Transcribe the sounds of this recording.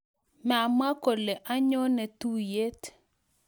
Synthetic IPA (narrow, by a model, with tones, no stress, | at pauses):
ma˨m˦a˦ko˨le˨ʔa˦ɲo˦nɛ˨tu˦je˦t